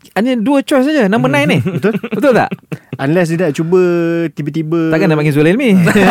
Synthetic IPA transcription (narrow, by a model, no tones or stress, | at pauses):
anɲəduət͡ʃɔjs̬ad͡ʒanãmbənãjnihbət̪oət̪ot̪a̰ʔʔanlɛs̬dinaʔt͡ʃubət̪ibət̪ibəakanaʔpaɡɪns̬ulilmi